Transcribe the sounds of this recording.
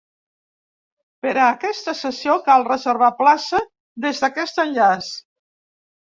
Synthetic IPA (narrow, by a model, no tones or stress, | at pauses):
pəɾəːkɛst̪əsəsijokalˠrəzəɾβ̞aplasə | ðezðəkɛst̪ənʎas